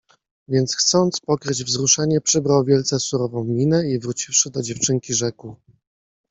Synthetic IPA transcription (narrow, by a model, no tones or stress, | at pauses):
vʲjɛnt̪sxt̪sɔnt̪spɔkɾɘd͡ʑvzɾuʂaɲɛpʂɘbɾawvʲjɛlt̪sɛsuɾɔvɔ̃w̃mʲinɛivɾut͡ɕifʂɘd̪ɔd͡ʑɛft͡ʂɘŋkʲiʐɛku